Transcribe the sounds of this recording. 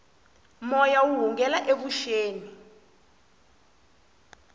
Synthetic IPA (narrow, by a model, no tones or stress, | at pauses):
mɔjawuɦuŋɡɛlaʔek̬uʃeːni